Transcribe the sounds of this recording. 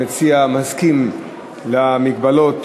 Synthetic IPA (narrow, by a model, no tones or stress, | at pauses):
et͡siamazkim | lamik̚balot̪